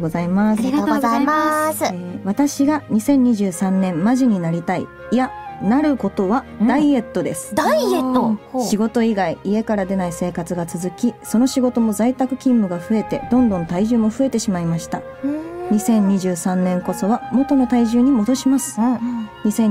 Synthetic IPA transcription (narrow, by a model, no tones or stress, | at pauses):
zaimaaama | β̞at̪aɕiɡaɲ̟isẽ̞ɲ̟ːiʑɨːsãnːẽ̞mmːaʑiɲ̟inaɾʲit̪aḭ | janaɾɯ̟ko̞t̪o̞βad̪aie̞t̪ːo̞d̪e̞sɨ̥d̪et̪ːoɕiɡo̞t̪o̞iɡaiʔie̞kaɾad̪e̞naise̞ːkat͡sɨɡat͡sɨzɨkʲiso̞no̞ɕiɡo̞t̪o̞mo̞zait̪akɯ̟̥kʲĩmːɯ̟ɡaɸɯ̟e̞t̪e̞̰d̪õ̞nd̪õ̞nt̪aiʑɨːmo̞ɸɯ̟e̞t̪e̞ɕimaimaɕi̥t̪a̰ | ɲ̟isẽ̞ɲ̟ːiʑɨːsãnnẽ̞ŋko̞so̞βamo̞t̪o̞no̞t̪aiʑɨːɲ̟imo̞d̪o̞ɕimasɨ̥ɲ̟isẽ̞